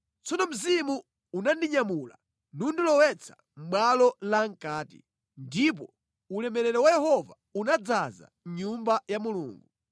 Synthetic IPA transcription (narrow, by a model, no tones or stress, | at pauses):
t͡sɔnɔm̩zimu | unandiɲamula̰ | nundilɔwɛt͡sʰḁ | m̩ɓalɔlaŋ̩kaːtḭ | ndip̬ɔ | ulɛmɛɾɛɾɛwajɛhɔva | unad͡zaza̰ɲumbajamulṵːŋɡu